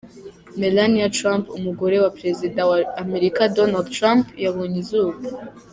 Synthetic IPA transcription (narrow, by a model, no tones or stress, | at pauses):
melaniatɾãmpumuɡo̞ɾe̞wapɾe̞zidawaːme̞ɾikadonaldtɾãmpjaβoɲizuːβu